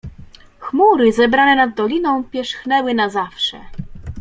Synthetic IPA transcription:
xmuɾɘzɛbɾanɛnad̪d̪ːɔlʲinɔ̃w̃pʲjɛʂxnɛwɘnazafʂɛ̰

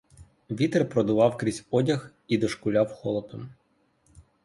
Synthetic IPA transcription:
ʋʲit̪erpɾɔd̪ʊʋɑwkɾʲizʲɔdʲɐx | id̪ɔʃkʊlʲawxɔlˠɔpɪm

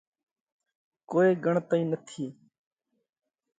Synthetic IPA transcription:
koːeːɡʱəɳt̪aːĩːnət̪ʰiː

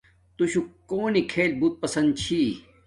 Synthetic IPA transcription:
t̪uɕukoːnikʰeːlbut̪̚pɐsɐ̃nd̪̚t͡ɕʰiː

